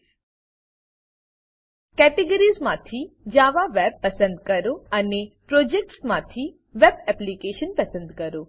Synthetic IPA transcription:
kɛːʈeɡəɾizmãːt̪ʰid͡ʒaːʋaʋɛːb̚pːɐsə̃nd̪kɐɾoɐnepɾoːd͡ʒek̚ʈsmãːt̪ʰi | ʋɛːbɛplikeːʃənpɐsə̃nd̪kɐɾoː

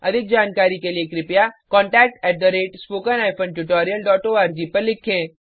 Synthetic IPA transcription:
ɐ̰d̪ʱɪk̚d͡ʒaːnkaːɾikeliekɾɪpjakɔ̃ːɳʈɛːk̚ʈɛːʈ̚d̪ɐɾeːʈspoːkənaːɪpʰə̃nʈuʈɔːɾijəlɖɔːʈoːaːɾd͡ʒiːpɐɾlɪkʰẽː

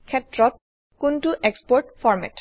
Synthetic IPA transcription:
kʰɛtɹɔt̚ | kuntuʔekspɔɹʈfɔɹmɛ̰t

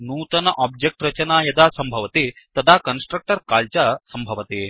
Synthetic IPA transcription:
nuːt̪ɐnɐʔaːb̚d͡ʒek̚ʈɾɐt͡ʃɐnaːjɐd̪aːsɐmbʱɐʋɐt̪eːt̪ɐd̪aːkɐnsʈɾɐk̚ʈɐɾkaːlt͡ʃaːsɐmbʱɐʋɐt̪eː

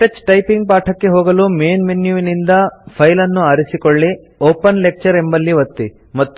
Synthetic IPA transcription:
ʈɐt͡ʃːʈɐjpiŋɡ̚paːʈʰɐkːe̞ɦoːɡɐlume̞ːnmenjuʋinind̪ɐpʰɐjlɐnːuaːɾisikoɭːi | oːpɐnlek̚t͡ʃɐɾembɐlːiʋɐt̪ːi | mɐt̪ː

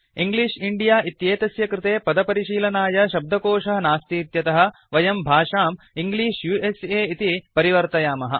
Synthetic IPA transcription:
iŋɡliːʂiɳɖijaːʔit̪jeːt̪ɐsjɐkɾɪt̪eːpɐd̪ɐpɐɾiʃiːlɐnaːjɐʃɐb̚d̪ʱɐkoːʂɐɦɐnaːst̪iːt̪jɐt̪ɐɦɐ̆ | ʋɐjɐmbʱaːʂaːm | iŋɡliːʂjuːʔeseːit̪ipɐɾiʋɐɾt̪ɐjaːmɐɦɐ̰̆

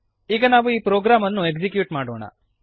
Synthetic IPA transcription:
iːɡɐnaːʋuiːpɾoːɡɾaːmɐnːue̞kd͡ʒikjuːʈmaːɽoːɳɐ̰

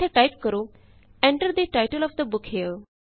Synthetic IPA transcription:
eʈajp̚kəɾo | ɛ̃ɳʈəɾd̪iʈaɪʈəlɔfd̪əbʊkhil

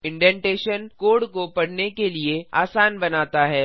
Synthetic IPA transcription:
ɪ̃ɳɖɛ̃ːɳʈeːʃənkoːɽkopɐɽnekeliea̰ːsaːnbɐnaːt̪aɦɛː

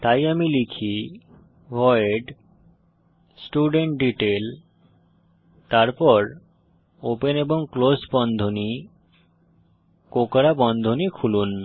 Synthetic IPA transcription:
t̪ajamilikʰi | bʱɔeɖ | sʈuɖeɳʈɖiʈel | t̪aɾpɔɾ | openeboŋklosbɔnd̪ʱoni | kokɾabɔnd̪ʱonikʰulun

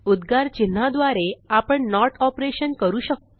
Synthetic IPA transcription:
ud̪ɡʱaɾt͡ɕin̤ːad̪ʋaɾeapəɳnɔɾʈɔpɾeɕənkəɾuːɕək̚t̪

